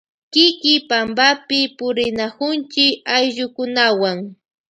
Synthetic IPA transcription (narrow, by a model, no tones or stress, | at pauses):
kɪkɪpambapɪpʊɾɪnakʊnt͡ʃɪkajʎʊkʊnawaŋ